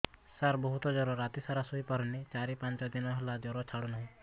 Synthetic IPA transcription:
saɾbɔɦut̪ɔd͡ʒɔɾɔɾat̪isaɾasuɦipɔɾnet͡ʃaɾipant͡ʃɔd̪inɔɦelad͡ʒɔɾɔt͡ʃʰaɽunɔɦĩ

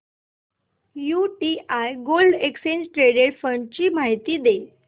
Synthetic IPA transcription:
juʈiʔajɡolɖeksend͡ʑʈɾeɽeɾfəɳɖt͡ɕiːmaɦit̪iːd̪e

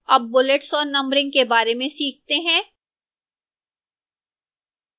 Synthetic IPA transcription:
ɐb̚ːʊleʈsɔːɾnɐ̃mbɾɪ̃ŋɡ̚kebaːɾemẽsiːk̚t̪eɦɛ̃ː

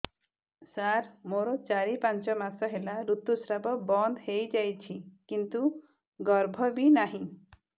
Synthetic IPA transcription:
saɾmoɾɔt͡ʃaɾipant͡ʃɔmasɔɦelaɾut̪ːusɾabɔbɔnd̪hejd͡ʒajt͡ʃʰikint̪u | ɡɔɾbʱɔbinaɦĩ

